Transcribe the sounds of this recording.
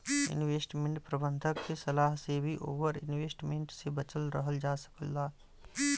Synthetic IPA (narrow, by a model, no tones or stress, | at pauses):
ɪ̰nweːsʈmẽɳʈpɾɐbə̃nd̪ʱəkːesɐlaːɦsebʱiʔoːʋəɾɪ̰nweːsʈmẽɳʈsebɐt͡ʃəlɾəɦəld͡ʒaːsə̥kəlːaː